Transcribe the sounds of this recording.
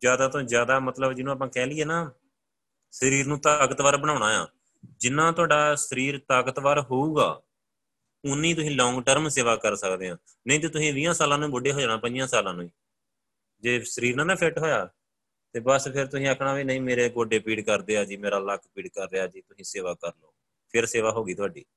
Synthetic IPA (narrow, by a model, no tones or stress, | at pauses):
zjaːd̪aːt̪õzjaːd̪aːmət̪ləbd͡ʒɪnũːaːp̬ãːkɛːlɪːeːnaː | səɾiːɾnũːt̪aːkət̪ʋaːɾbəɽ̃aːʊɽ̃ãːjã̰ː | d͡ʒɪnːãːt̪ʊwaːɖaːsəɾiːɾt̪aːkət̪ʋaːɾɦoːuːɡa̰ː | ʊnːĩːt̪ʊsĩːlɔ̃ːŋɡʈəɾmseːʋaːkəɾsəkd̪eːɦãː | nəĩːt̪̬eːt̪ʊsĩːʋɪ̃ːãːsaːlãːnũːbʊɖeːɦoːd͡ʒaːɳaːpəɲd͡ʒjãːsaːlãːnũːiː | d͡ʒeːsəɾiːɾnãːnãːpʰɪʈɦoːjaː | t̪eːbəspʰɪɾt̪ʊsĩːəkʰɳaːʋiːnəĩːmeːɾeːɡoːɖeːpiːɽkəɾd̪eːaːd͡ʒiːmeːɾaːləkʰpiːɽkəɾːeːaːd͡ʒiːt̪ʊsĩːseːʋaːkəɾnoː | pʰɪɾseːʋaːɦoːɡiːt̪ʊaːɖḭː